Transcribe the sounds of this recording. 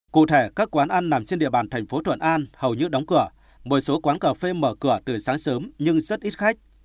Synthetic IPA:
kṵ˧˨t̪ʰe˧˩kaː˦˥kkwaː˨˦nʔa˧nːa˨˩mt͡ɕe˧nɗḭ˧˨əɓaː˧˩nt̪ʰɛ˨˩jŋ̟fo˨˦t̪ʰwə̰˧˨nʔaː˧nhə˨˩wɲɨ˧ɗa˨˦wŋ͡mkɨ˧˩ə | mo˨˩so˨˦kwaː˨˦nkəː˧˩fe˧məː˧˩kɨ˧˩ət̪ɨ˨˩saː˨˦ŋsəː˨˦mɲɨ˧ŋzə˦˥t̚ʔi˦˥t̚xa˦˥jk̟̚

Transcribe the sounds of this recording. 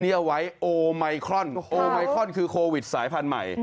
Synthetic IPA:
ni˥˩əwa˦˥jʔoː˧ma˧jkʰɾɔ˥˩nʔoː˧ma˧jkʰɾɔ˥˩˨nkʰɯː˧kʰoː˧wi˨˩t̪̚saː˩˦jpʰa˧nma̰˨˩j

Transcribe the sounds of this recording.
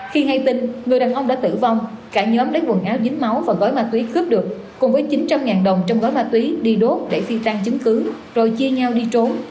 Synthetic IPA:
xi˧ha˧jt̪i˧ŋŋɨ˨˩əjɗaː˨˩nʔə˧ŋ͡mɗa̰ː˧˥t̪ɨ̰˧˩va˧wŋ͡m | kaː˧˩ɲəː˨˦mɗəː˨˦jɓu˨˩ənʔaː˨˦wzi˨˦ŋ̟ma˨˦wvaː˨˩ɣɔ˨˦jmaː˧t̪wi˨˦xɨ˦˥p̚ɗɨ˨˩ək̚ːʊ˨˩ŋ͡mvəː˨˦jt͡ɕi˨˦nt͡ɕa˧mŋaː˨˩nɗə˨˩wŋ͡mt͡ɕwŋ͡mɣɔ˨˦jmaː˧t̪wi˨˦ɗi˧ɗo˦˥t̚ɗe˧˩fi˧t̪a˧ŋt͡ɕɨ˨˦ŋkɨ˨˦ | zo˨˩jt͡ɕi˧əɲa˧wɗi˧t͡ɕo˨˦n

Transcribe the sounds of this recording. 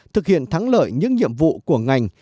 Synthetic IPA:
t̪ʰɨ˨˩k̚hḭ˧˨ənt̪ʰa˨˦ŋlə̰ː˧˨jɲɨ̰˧˥ŋɲḭ˧˨əmvṵ˧˨ku˧˩əŋa˨˩jŋ̟

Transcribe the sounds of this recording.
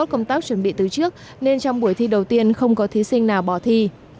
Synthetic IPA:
ɔ˦˥kə˧wŋ͡mt̪aː˦˥k̚t͡ɕwə˧˩nɓḭ˧˨t̪ɨ˨˩t͡ɕɨ˦˥ək̚ | ne˧nt͡ɕɔ˧wŋ͡mɓu˧˩əjt̪ʰi˧ɗə˨˩wt̪i˧ənxə˧wŋ͡mkɔ˨˦t̪ʰi˨˦sï˧ŋnaː˨˩wɓɔ˧˩t̪ʰi˧

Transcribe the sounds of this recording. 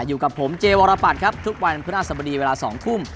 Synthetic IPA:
juː˨˩ka˨˩pʰːo˩˦mt͡ɕeː˧wɔː˧ɾaː˧pa˨˩t̪̚kʰa˦˥p̚t̪ʰu˦˥k̚wa˧npʰɯ˦˥ʔa˥˩sa˧bɔ˧diː˧weː˧laː˧sɔː˩˦ŋkʰu˥˩m

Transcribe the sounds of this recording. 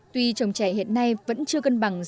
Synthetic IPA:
t̪wi˧t͡ɕə˨˩wŋ͡mt͡ɕɛ˧˩ɦḭ˧˨ənːa˧jvə̰˧˥nt͡ɕɨ˧əkə˧nɓa˨˩ŋz

